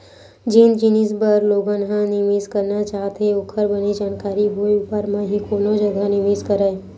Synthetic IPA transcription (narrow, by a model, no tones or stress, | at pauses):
d͡ʒiːnd͡ʒinisbəɾloːɡãnɦãnɪʋeːzkəɾnat͡ʃaːɦt̪eʊkʰəɾbənid͡ʒaːnkaːɾiboːjʊpaɾmãɦikoːnod͡ʒəɡ̪ʱanɪʋeːzkəɾəe